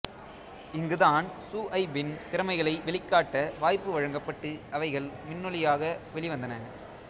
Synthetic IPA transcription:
ɪŋɡɯðaːnsuːʔɐɪbɪnt̪ɪɾɐmɐɪɣɐɭɐɪʋɛɭɪkːaːʈːɐʋaːjpːɯʋɐɻɐŋɡɐpːɐʈːɯʔɐʋɐɪɣɐɭmɪnːɯɭɪjaːɣɐʋɛɭɪʋɐnd̪ɐnɐ

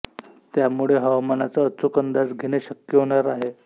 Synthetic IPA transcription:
t̪jamuɭeɦəʋmanat͡saət͡sukənd̪ad͡zɡʱeɽ̃eɕəkjəɦoɽaɾaɦe

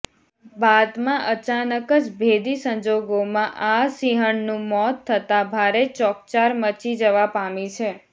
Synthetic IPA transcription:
bad̪mãʔət͡ʃanəkəd͡ʒbʱed̪isə̃ɲd͡ʒoɡomãʔasiɦəɳnũmɔt̪ʰːət̪abʱaɾet͡ʃɔk̚t͡ʃaɾmət͡ʃid͡ʒəʋapamit͡ʃʰe

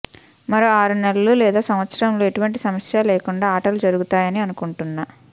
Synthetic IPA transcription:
mɐɾoːaːɾunelɐlulɛːd̪aːsɐmʋɐt̪sɐɾɐmloːeʈuʋɐɳʈisɐmɐsjaːlɛːkuɳɖaːʈɐɾlud͡ʒɐɾuɡut̪aːjɐniɐnukuɳʈunːa

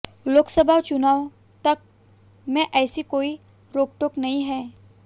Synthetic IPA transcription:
loːksəbʱaːt͡ʃʊnaːw | t̪ɐk̚ | mɛ̃ʔɛːsikoːi | ɾoːk̚ʈoknɐɦĩɦɛː

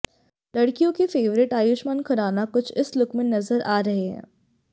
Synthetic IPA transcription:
lɐɽkijõkefeːʋɾɪʈaːjʊʃmaːnkʰɐɾaːnakʊt͡ʃʰɪslʊkmẽnɐzəɾʔaːɾɐɦeɦɛ̰̃ː

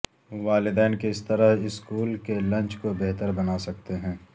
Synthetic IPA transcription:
ʋaːlɪd̪ɛːnkeɪst̪ɐɾaɦɪskuːlkelɐ̃nt͡ʃkobeɦt̪əɾbɐnaːsɐkt̪eɦɛ̃ː

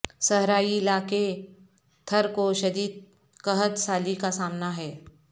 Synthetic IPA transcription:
sɐɦɾaːiɪlaːke | t̪ʰɐɾkoʃɐd̪iːd̪̚ | kɐɦət̪saːlikasaːmnaɦɛː

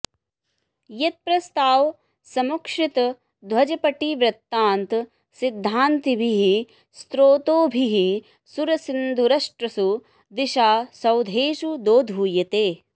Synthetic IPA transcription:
jet̪̚pɾɐst̪aːw | sɐmukʂit̪ɐ | d̪ʱwɐd͡ʒɐpɐʈiʋɾɐt̪ːaːnt̪ | sid̪ʱːaːnt̪ibʱiɦi | st̪ɾoːt̪oːbʱiɦi | suɾɐsind̪ʱuɾɐʂʈɾɐsu | d̪iʃaːsɐwd̪ʱeːʃud̪oːd̪ʱuːjɐt̪eː

